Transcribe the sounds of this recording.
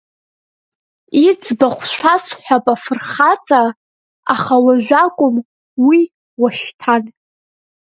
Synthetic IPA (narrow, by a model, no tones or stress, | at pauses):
id͡zʼbaχʷʰʃʷʰasħʷᶣapʼafɨrχat͡sʼa | aχawaʒʷᶣakʷʼʊm | wi | waɬtʰan